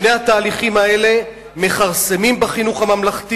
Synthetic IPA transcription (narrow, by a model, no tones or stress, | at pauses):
nejhat̪aːliχimae̞le̞ | me̞χaʁsemimbeχinuχhamamlaχt̪i